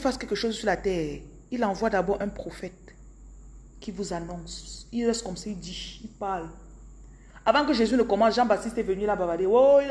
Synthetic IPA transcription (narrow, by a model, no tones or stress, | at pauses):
ifaskɛlkəʃozsyʁlatɛːʁ | ilɑ̃vwadabɔʁɛ̃pχofɛt̚ | kivuzanɔ̃silʁɛst̚kɔmsaildiʃilpaʁl | avɑ̃kəʒezynəkɔmɑ̃sʒɑ̃batist̪ɛvənylabavadeoil